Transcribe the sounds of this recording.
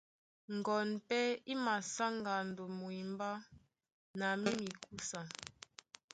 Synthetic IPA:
ŋ˨ɡɔ˨npɛ˦i˦ma˨sa˦ŋ˨ɡa˨n̩˨do˨mu˨i˨m˦ba˦ | na˨mi˦mi˨ku˦sa˨

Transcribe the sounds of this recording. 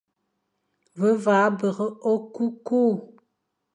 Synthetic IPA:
və˦vaː˨˦bə˨ʁə˦o˦ku˦ku˦˨

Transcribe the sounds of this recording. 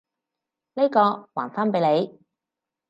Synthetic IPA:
ne˥kɔː˧waː˨˩nfaː˥npe˨˧jle˨˧j

